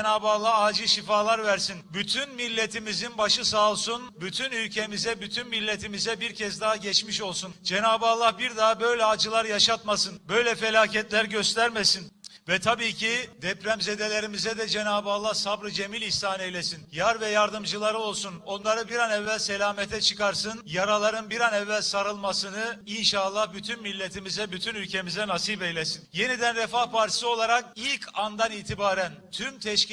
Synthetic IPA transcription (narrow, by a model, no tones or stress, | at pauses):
naːbɯalˠːahaːd͡ʒɯʃifaːlˠaɾvæɾsinbyt̪ʰynmilʲːet̪ʰimizinbaʃɯsaːlˠsunbyt̪ʰynylʲcʰe̞mizɛbyt̪ʰynmilʲːet̪ʰimizɛbiɾcʰɛzd̪aɦaɟɛt͡ʃmiʃo̞lˠsund͡ʒenaːbɯalˠːahbiɾd̪abø̞jlʲɛaːd͡ʒɯlˠaɾjaʃat̪masɯnbø̞jlʲɛfe̞lʲaːcɛt̪lʲæɾɟø̞st̪ʰæɾmesinvɛt̪ʰabiːcʰid̪ɛpɾæmze̞d̪e̞lʲe̞ɾimizɛd̪ɛd͡ʒe̞naːbalˠasabɾɯd͡ʒe̞milʲiçst̪aːnejlʲesinjaɾvɛjaɾd̪ɯmd͡ʒɯlˠaɾɯo̞lˠsuno̞nlˠaɾɯbiɾanɛvːælʲse̞lʲaːmet̪ʰɛt͡ʃʰɯkaɾsɯnjaɾalˠaɾɯnbiɾanɛvːælʲsaɾɯlˠmasɯnɯinʃalˠːahbyt̪ʰynmilʲːet̪ʰimizɛbyt̪ʰynylʲcʰe̞mizɛnasibejlʲesinje̞nid̪ænɾɛfahpʰaɾt̪ʰi̥sɯo̞lˠaɾakilʲcʰand̪aniːt̪ʰibaːɾænt̪ʰymt̪ʰɛʃc